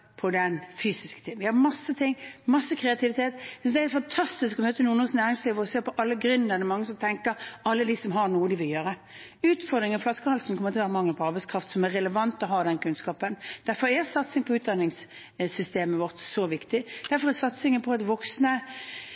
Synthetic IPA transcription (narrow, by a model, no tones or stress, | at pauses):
pʰɔd̪ɛnfyːsɪskə̥t̪ʰɪŋʋɪhɑɾmɑsːət̪ʰɪŋːmɑsːəkʰɾɛɑt̪ʰɪʋɪt̪ʰeːt̪sd̪ɛhɛfɑnt̪ʰɑst̪ɪskɔmøːt̪ənuːənoːsnæːɾɪŋsliːʋəɾɔseːɾpʰɔʔɑlːəɡɾʉnəɾd̪ɛmɑŋːəsɔmt̪ʰɛŋkəɾɑlːəd̪ɪsɔmɦɑnuːəd̪ɪʋɪljøːɾə | ʉːt̪fɔɾd̪ɾɪŋənflɑskəhɑlsn̩kʰɔmːəɾt̪ʰːʋæːɾəmɑŋːəpɔɑɾbɛɪskʰɾɑft̪sɔmɛɾɛləʋɑnt̪ɔɦɑːd̪ɛnkʰʉnskɑːpənd̪̥æɾfɔɾɛsɑt̪sɪŋəpʰɔʉːt̪̚d̪ɑnːɪŋs | sʏst̪eːməʋɔʁt̪sɔʋɪkt̪ɪd̪̥æɾfɔɾɛsɑt̪sɪŋəpʰɔɑt̪ʋɔksnə